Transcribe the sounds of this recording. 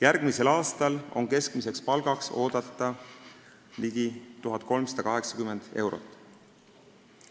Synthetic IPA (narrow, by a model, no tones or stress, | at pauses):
jærɡ̥mise̞lɑːst̪ɑlo̞̰ŋke̞skmise̞kspɑlɡ̥ɑkso̞ːd̪̥ɑt̪ːˑɑ | liɡ̥it̪uɦɑt̪̚ko̞lmsɑ̥d̪ɑkɑɦe̞ksɑ̥kymːe̞nd̪̥e̞wɾo̞̰t̪ːˑ